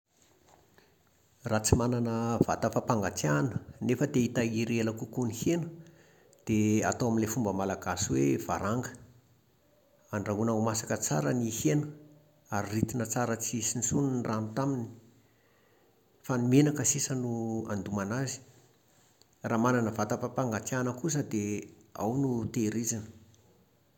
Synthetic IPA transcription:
rat͡simananəva̰t̪afapaŋɡat͡sianənefəd̪eit̪aiɾeləkukunihenə | d̪̥ea̰t̪oamilefumbəmalaɡaswev̥a̰ɾaŋɡə̥ | anraɦunaumasakət͡saɾənihenə | aɾirit̪inət͡saɾət͡siisinisuninranut̪amini̥ | fanimenakəsisənua̰nd̪umanazi̥ | raːmananəvat̪apapaŋɡat̪janəkus̬əd̪e | a̰wnut̪eɾizinə̥

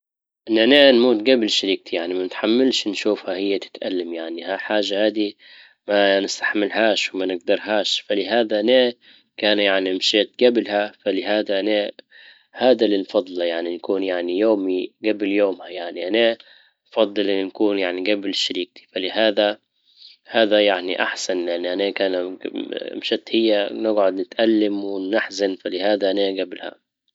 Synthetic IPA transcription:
ʔɪnːʔananmuːt̪ɡablʃaɾiːk̚t̪ʰijaʕnimanɪt̪ħamːɪlʃnʃuːfhahɪjːat̪ɪ̥t̪ʔa̰lːamjaʕnihaħaːʒːahaːd̪i | manɪst̪ḁħmɪlhaːʃwmanɪɡd̪ɑɾˤɦaːʃfalɪɦaːd̪aʔna | kaːnjaʕniɪmʃeːt̪̚ɡablhafalɪɦaːd̪aʔana | haːd̪alinfɑd̪ˤlɑjaʕninkuːnjaʕnijoːmiɡabljoːmhajaʕniʔana | fɑd̪ˤːɨlʔɪnkuːnjaʕniɡablʃaɾiːk̚t̪i̥falɪhaːd̪a | haːd̪ajaʕniʔaħsanlɪʔanːʔanakaːn̰ | mʃɪt̪hɪjːanɪɡʕʊd̪nɪt̪ʔalːɪmwɪːaħzanfalɪhaːd̪aʔanaɡablha̰

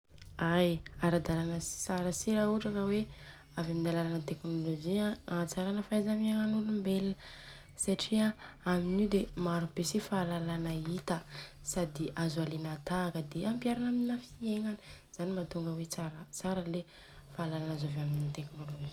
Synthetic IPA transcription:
ajaɾad̪alanəsaɾəsiɾauʈ͡ʂakawe | avaminalalanət̪eknolod͡ʒiat͡saɾanəfajzamiaŋanulumbelə | saʈ͡ʂiaaminiwd̪emaɾubesifaalalanait̪ə | sad̪iʔazualinat̪akəd̪eampjaɾanamininafieŋanəz̥animat̪uŋɡəwet͡saɾət͡saɾəle | faːlalanazavaminit̪eknolod͡ʒi

